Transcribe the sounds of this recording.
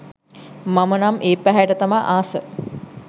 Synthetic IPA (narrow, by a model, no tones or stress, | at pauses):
mamənamʔeːpæɦæjʈət̪amaʔaːsə